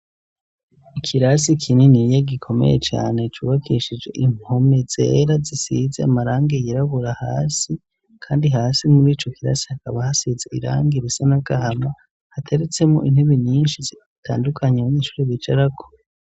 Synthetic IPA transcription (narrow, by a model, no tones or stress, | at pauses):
ikʰiɾasikʰininijaɡikʰo̞me̞̰jet͡ʃa̰ːnet͡ʃṵβakʰiʃid͡ʒe̞̰ʔim̥homeze̞̰ɾazisizḛamaɾaːŋɡejiɾaβuɾahaːsi | kʰaːndiɦaːsimuɾiːt͡ʃo̞kiɾa̰si̥hakaβahasizeiɾa̰ːŋɡiɾisanaɡahama | hatʰe̞ɾet͡se̞mo̰ʔin̥heβeɲiːnʃizi | tʰa̰ːndukʰaɲeaβaɲeːʃu̥ːɾiβit͡ʃaɾakʰo̥